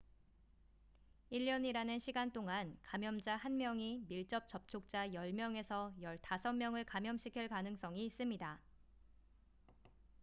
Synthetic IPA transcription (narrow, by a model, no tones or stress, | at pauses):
iʎːʌɲiɾanɯnɕʰiɡant͈oŋankamjʌmd͡ʑahanmjʌŋimiɭt͡ɕ͈ʌp̚t͡ɕ͈ʌp̚t͡ɕʰok̚t͡ɕ͈ajʌɭmjʌŋe̞sʰʌjʌɭtasʰʌmːjʌŋɯɭkamjʌmɕʰikʰiɭkanɯŋs͈ʌŋiːs͈ɯmɲida